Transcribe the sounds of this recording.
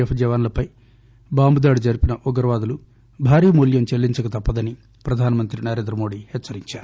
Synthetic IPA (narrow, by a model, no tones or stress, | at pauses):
epʰd͡ʒɐʋaːnlɐpɐj | baːmbud̪aːɽid͡ʒɐɾipinɐʔɔɡɐɾɐʋaːd̪ɐlu | bʱaːɾiːmuljɐmt͡ʃelːiɲt͡ʃɐkɐt̪ɐpːɐd̪ɐni | pɾɐd̪ʱaːnɐmɐnt̪ɾinɐɾe̞ːnd̪ɾɐmo̞ːɖihɛt͡ʃːsɐɾiɲt͡ʃaːɾu